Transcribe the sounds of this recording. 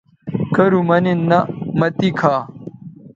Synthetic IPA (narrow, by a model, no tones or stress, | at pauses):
kɐɾumɐninːɐmɐt̪ikʰaː